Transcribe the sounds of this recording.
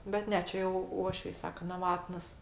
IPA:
bʲɛt ˈnʲɛ ˈt͡ʃʲɛ jɛʊ ˈuɔʃʲʋʲɛɪ ˈsɑːkɐ nɐˈʋɑːtnɐs

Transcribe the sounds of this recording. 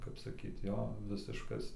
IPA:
kɐp sɐˈkʲiːt ˈjoː ˈʋʲɪsʲɪʃkɐs

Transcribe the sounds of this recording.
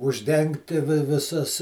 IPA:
ʊʒʲˈdʲɛŋktʲɪ ʋʲɪˈsɐs

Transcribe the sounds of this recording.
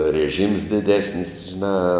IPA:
rʲɛˈʒʲiːms dʲɪˈdʲæːsʲnʲɪs ʒʲɪˈnɑː

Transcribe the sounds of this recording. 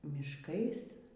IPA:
mʲɪʃˈkɐɪs

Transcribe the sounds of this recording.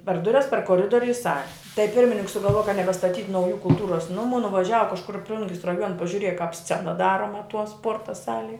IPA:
pʲɛr ˈdʊrʲɛs pʲɛr koːˈrʲɪdoːrʲʊ ɪ ˈsɑːlʲɪ tɐɪ ˈpʲɪrʲmʲɪnʲɪŋks sʊɡɐlˠˈʋuɔjɛ kɐ nʲɛbʲɛstɐˈtʲiːtʲ ˈnɐʊjuː kʊlˠˈtuːroːs nʊˈmuː nʊʋɐˈʒʲæːʋɐ kɐʃˈkʊr ɪ ˈplˠʊŋʲɡʲɪs rɐˈjuɔnɐ pɐʒʲʊˈrʲiɛjɛ kɑːp ˈsʲt͡sʲæːnɐ ˈdɑːroːmɐ tuɔ ˈspuɔrtɐ ˈsɑːlʲiɛ

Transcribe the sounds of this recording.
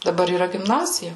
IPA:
dɐˈbɐr iːˈrɐ ɡʲɪmˈnɑːzʲɪjɛ

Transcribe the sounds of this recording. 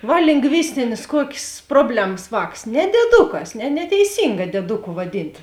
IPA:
ˈʋɐ lʲɪŋɡˈʋʲɪsʲtʲɪnʲeːs ˈkuɔkʲeːs ˈproːbʲlʲɛms ˈʋɑːks nʲɛ dʲiɛˈdʊkɐs nʲɛ nʲɛtʲɛɪˈsʲɪŋɡɐ dʲiɛˈdʊkʊ ʋɐˈdʲɪnt

